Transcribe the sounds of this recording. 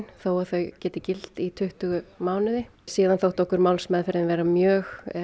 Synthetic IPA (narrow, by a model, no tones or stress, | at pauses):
nθowaθœɥcɛːt̪ɪcɪl̥t̪it̪ʰʏht̪ʏɣʏmaːwnɪðɪ | siːðanθowht̪ɔhkʏɾmawlsmɛðfɛɾɪvɛːɾamjœːx